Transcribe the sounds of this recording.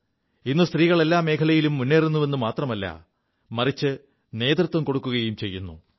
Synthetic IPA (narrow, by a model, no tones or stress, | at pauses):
inːust̪riːɣɐɭe̞lːaːme̞ːkʰɐlɐjilumːunːeːrunːuʋe̞nːumaːt̪rɐmɐlːɐ̰ | mɐrit͡ɕːɨ | ne̞ːt̪rut̪ʋɐmko̞ɽukːuɣɐjumt͡ɕe̞jːunːu